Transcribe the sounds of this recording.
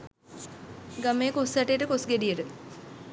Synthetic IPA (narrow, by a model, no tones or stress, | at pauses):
ɡameːkosaʈejʈəkosɡeɖijəʈə